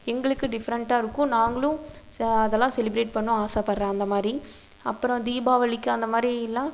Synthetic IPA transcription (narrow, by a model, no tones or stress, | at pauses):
ɛŋɡɐɭɯkːɯɖɪfɐɾɐɳʈaːɪɾɯkːʊ̃naːŋɡɐɭʊ̃ | ɐðɛlːãːsɛlɪbɾeːʈ̚pɐɳːʊ̃aːsaːpɐɾɾɛ̃ːɐnd̪ɐmaːd̪ɾi | ɐpːɯɾɔ̃d̪iːbaːʋɐɭɪkːɯ̃ɐnd̪ɐmaːd̪ɾiɪlːãː